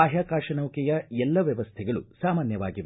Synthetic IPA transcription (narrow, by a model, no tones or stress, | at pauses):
aːɦjaːkaːʃɐnɐwkɛjɐɛlːɐʋjɐʋɐst̪ʰɛɡɐɭṵsaːmaːnjɐʋaːɡiʋ